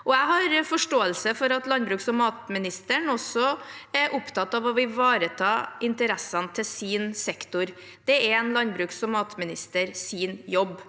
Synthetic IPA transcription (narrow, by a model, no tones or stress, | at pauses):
ʔɔæɪɦɑɾfɔʂʈoːəlsəfɔɾɑt̪lɑnbɾʉːksɔmɑːt̪mɪnɪst̪əɳɔsɔɛɾʔʊpt̪ʰɑt̪ːɑʋɔʋɪʋɑːɾət̪ʰɑːʔɪnt̪əɾɛsːɑnt̪ʰɪsiːnsɛkt̪ʊɾ | d̪̥ɛɛnlɑnbɾʉːksɔmːɑːt̪mɪnɪst̪əɾsiːnjɔbː